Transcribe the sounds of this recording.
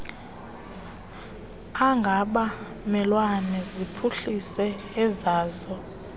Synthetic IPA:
aŋɡʱaɓa | mɛlwanɛzipʰuɬisɛː | zaːzɔ

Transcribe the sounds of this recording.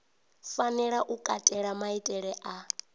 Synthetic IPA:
fanɛɺaʔukʼatʼɛɺamaitʼɛɺɛʔa

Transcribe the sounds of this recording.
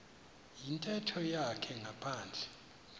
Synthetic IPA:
jintʼɛtʰɔjakʰɛŋapʰaːnd͡ɮʱɛ̥

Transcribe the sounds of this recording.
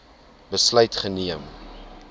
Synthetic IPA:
bəslœɥtχəniəm

